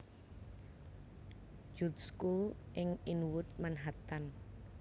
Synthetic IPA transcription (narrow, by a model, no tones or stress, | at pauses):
d͡ʒut̪̚skulʔɪŋinwʊt̪̚manɦat̪an